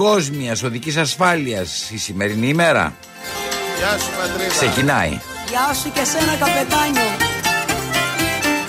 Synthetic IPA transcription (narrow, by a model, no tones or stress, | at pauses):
o̞zmiɐso̞ðicis̬ɐsfɐliɐsisime̞ɾinime̞ɾɐ̰ | sksse̞cinɐḭ | ʝɐsucesenɐkɐpe̞t̪ɐɲo